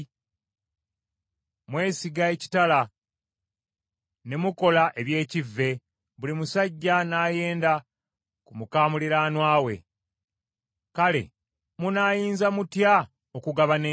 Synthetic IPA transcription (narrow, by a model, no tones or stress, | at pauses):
mwe̞ːsiɡae̞ci̥tala | ne̞muko̞laʔe̞βje̞ːcivːe̞ | βulimusaɟːanaːje̞ːnda | kumukaːmuliɾaːnwaːwe̞̰ | kale̞̰ | munaːjiːnzamutja | okuɡaβane